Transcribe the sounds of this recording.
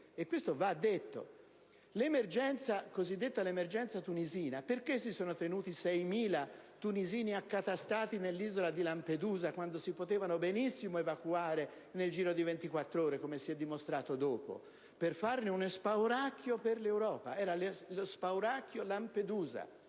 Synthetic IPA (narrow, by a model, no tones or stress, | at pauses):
ekːwest̪ovaːd̪ːet̪ːo̰ | lemerd͡ʒɛnt̪sakozid̪ːet̪ːalemerd͡ʒɛnt̪sat̪uniziːnaperkes̬ːisoːnot̪enuːt̪isɛjmiːlat̪uniziːniakːat̪ast̪aːt̪inelːiːzolad̪ilamped̪uːzakwand̪osipot̪ɛːvanobenisːimoevakuaːɾe | neld͡ʒiːɾod̪ivent̪ikwat̪ːɾoːɾekomesiɛd̪ːimost̪ɾaːt̪od̪oːpo̰ | perfarneunospawɾakːjoperlewɾɔːpa̰ɛːɾallospawɾakːjolamped̪uːza̰